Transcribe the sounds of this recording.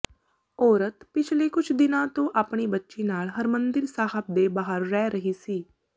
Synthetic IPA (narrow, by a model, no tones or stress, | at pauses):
ɔːɾət̪pɪt͡ʃʰlekʊt͡ʃʰd̪ɪnãt̪õʔaːpɳ̃ibətːʃenaːlɦəɾmə̃nd̪ɪɾsaːɦəp̚d̪ebaːɦəɾːɛːɾəɦisiː